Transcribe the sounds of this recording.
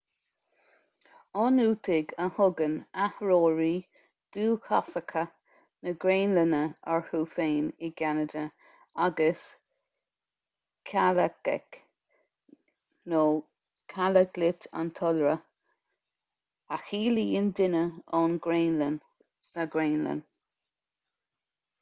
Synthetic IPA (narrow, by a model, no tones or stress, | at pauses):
ɔnuːt̪ʰɪɡəhʊɡənahɹoːɹiː | d̪̥uːkʰasəkʰə | nəɡɾeːnlənəɛɹhuːfeːnɪɡanədə | aɡəs | kʰaləɡɛ̰k | noː | kʰaləɡlɪtʰa̰nt̪ʰɔlɹə | axiːliːɪnd̪ɪnəɔnɡɾeːnlən | səɡɾeːnlə̰n